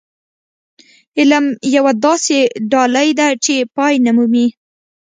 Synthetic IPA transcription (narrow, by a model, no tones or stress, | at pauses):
ɪlamjawad̪ɑseɖɑlajd̪at͡ʃepɑjnamumi